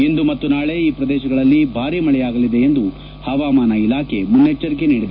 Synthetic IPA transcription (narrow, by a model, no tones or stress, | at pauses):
end̪umɐt̪ːunaːɭe̞iːpɾɐd̪ɛːʃɐɡɐɭɐlːibʱaːɾimɐɭɛjaːɡɐlid̪e̞ːnd̪u | hɐʋaːmaːnɐilaːkʰe̞munːet͡ʃːɐɾikeniːɽid̪ɐ